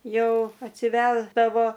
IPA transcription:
ˈjɛʊ ɐtʲsʲɪˈʋʲæːzdɐʋoː

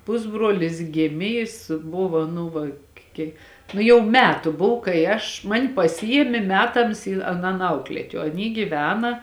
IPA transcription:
ˈpʊzbruɔlʲɪs ˈɡʲeːmʲeː ˈjɪs ˈbʊʋɐ ˈnʊ ʋɐ ˈkʲiɛk ˈnʊ jɛʊ ˈmʲæːtʊ ˈbʊw kɐɪ ˈɐʃ mɐnʲ pɐˈsʲɪjiɛmʲeː ˈmʲæːtɐms iː ɐˈnɐn ˈɐʊklʲiɛtʲ oː ɐˈnʲiː ɡʲiːˈʋʲæːnɐ

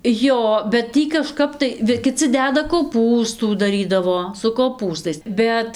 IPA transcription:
ˈjoː bʲɛt ˈtʲiː kɐˈʃkɐp tɐɪ ˈʋʲɪ kʲɪˈt͡sʲɪ ˈdʲæːdɐ koːˈpuːstuː dɐˈrʲiːdɐʋoː sʊ koːˈpuːstɐɪs ˈbʲɛt

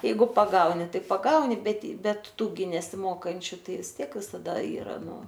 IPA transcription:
ˈjɛɪɡʊ pɐˈɡɐʊnʲɪ ˈtɐɪ pɐˈɡɐʊnʲɪ bʲɛt ˈbʲɛt ˈtuː ɡʲɪ nʲɛsʲɪˈmoːkɐnʲt͡ʃʲʊ ˈtɐɪ ʋʲɪs ˈtʲiɛk ʋʲɪsɐˈdɐ ˈiːrɐ ˈnʊ

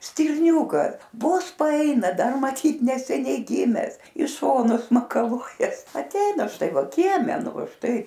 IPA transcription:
sʲtʲɪrʲˈnʲuːkɐ ˈʋoːs pɐˈɐɪnɐ ˈdɐr mɐˈtʲiːt nʲɛsʲɛˈnʲɛɪ ˈɡʲɪmʲɛs ɪ ˈʃoːnʊs mɐkɐˈlˠuɔjɛs ɐtʲˈɛɪnɐ ˈʃtɐɪ ˈʋɐ ˈkʲiɛmʲɛ ˈnʊ ˈʋɐ ˈʃtɐɪ

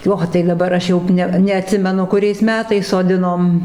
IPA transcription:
ˈoː tɐɪ dɐˈbɐr ˈɐʃ ˈjɛʊ ˈnʲɛ nʲɛɐˈtʲsʲɪmʲɛnʊ kʊˈrʲɛɪs ˈmʲæːtɐɪs soːˈdʲɪnoːm

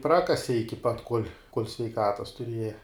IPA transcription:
ˈprɑːkɐsʲɪ ˈɪkʲɪ pɐt koːlʲ sʲʋʲɛɪˈkɑːtɐs tʊˈrʲiɛjɛ

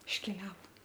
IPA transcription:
ɪʃʲˈkʲæːlʲɛʋoː

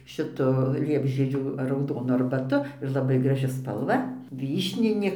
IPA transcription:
ʃʲɪˈtʊ ˈlʲiɛbʲʒʲiɛd͡ʒʲuː rɐʊˈdoːnʊ ɐrbɐˈtʊ ɪr lˠɐˈbɐɪ ɡrɐˈʒʲɪ spɐlˠˈʋɐ ˈʋʲiːʃʲnʲɪnʲeː

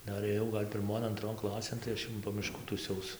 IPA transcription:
ˈdɐr eːˈjɛʊ ˈɡɐlʲ pʲɪrˈmoːn ɐnˈtroːn ˈklˠɑːsʲeːn tɐɪ ˈɐʃ jɛʊ poː ˈmʲɪʃkuː tuːˈsʲɛʊs

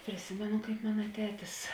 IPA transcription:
pʲrʲɪˈsʲɪmʲɛnʊ kɐɪp ˈmɑːnɐ ˈtʲæːtʲɪs

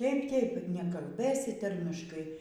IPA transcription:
ˈtʲeːɪp ˈtʲeːɪp nʲɛkɐlʲˈbʲeːsʲɪ ˈtɐrʲmʲɪʃkɐɪ

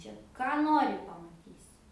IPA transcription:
ˈt͡ʃʲɛ ˈkɑː ˈnoːrʲɪ pɐmɐˈtʲiːsʲɪ

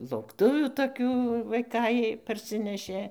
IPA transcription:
lˠɐʊkˈtʊʋʲuː toːˈkʲuː ʋɐɪˈkɐɪ pɐrʲˈsʲɪnʲɛʃʲeː

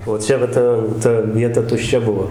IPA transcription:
oː ˈt͡ʃʲɛ ʋɐ ˈtɐ ˈtɐ ˈʋʲiɛtɐ tʊʃʲˈt͡ʃʲɛ ˈbʊʋoː

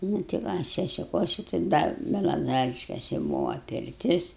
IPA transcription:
ˈnuː tʲɪ ʋɐ sʲɛsʲɪˈkuɔsʲɪ tɐɪ ˈdɐ bʲɛlˠɐˈzɑːrʲɪʃʲkʲɛsʲɪ ˈbʊʋoː pʲɪrʲˈtʲɪs

